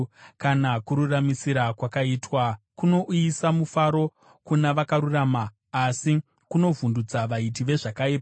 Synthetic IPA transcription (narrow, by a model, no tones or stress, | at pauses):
kanakuɾuramisiɾakwakaiːtwakuno̞ʔisamufaɾo̞ | kunaʋakaɾuramaː | si | kuno̞vundud͡zaʋaitiʋe̞ʐakaipa